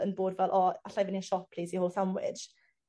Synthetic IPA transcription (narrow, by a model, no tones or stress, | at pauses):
ənboːdvɛlˠʔɔaɬajvɪniʃɔppʰliːzihoːlˠθamwɪ̰̥d͡ʒ̥